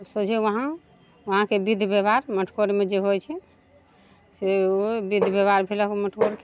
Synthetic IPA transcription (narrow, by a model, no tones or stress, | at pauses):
sod͡ʒʰɛʋəɦã | ʋəɦãkebid̪ʱbebaɾməʈʰkoɾmed͡ʒeɦojt͡ʃʰɛ | seobid̪ʱbebaɾbʰʱeləkməʈʰkoɾke